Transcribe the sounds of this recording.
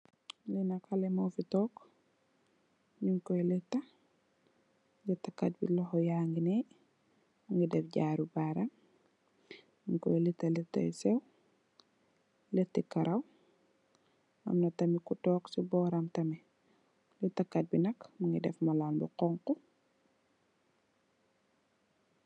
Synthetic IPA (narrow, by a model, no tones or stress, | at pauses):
linɐkalɛmowfitɔːk | ɲiŋkɔjlitːɐ | ɡitakːat̚bilɔxɔjaːŋɡine | muŋɡidɛfɟaːɾubaːɾam | jiŋkɔ̰jlitːɐlitːa̰jsɛw | lɛtikɐɾʔɐw | ɐ̰mnɐtɐmikutɔːksibɔːɾɐmtɐmi | lutakːat̚binɐkmuŋɡidɛfmɐlaːnbiqɔŋku